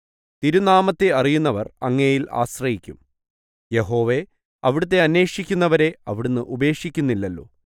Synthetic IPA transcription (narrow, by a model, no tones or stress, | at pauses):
t̪iɾunaːmɐt̪ːe̞ɐrijunːɐʋɐrɐŋːejila̰ːɕrɐjikʲːum | je̞ɦo̞ːʋe̞ | ɐʋiɽut̪̬ːe̞ɐnːe̞ːʂikʲːunːɐʋɐɾe̞ɐʋiɽunːɨʔube̞ːʂikʲːunːilːɐlːo̰ː